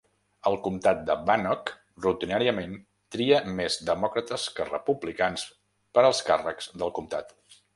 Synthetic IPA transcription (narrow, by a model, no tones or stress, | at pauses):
əlˠkumt̪at̪̚d̪əbanɔk | rut̪inaɾiəmen | t̪ɾiəmezd̪əmɔkɾət̪əskərə̰publikans | pəɾəlˠskarəkz̥d̪əlˠkumt̪at̪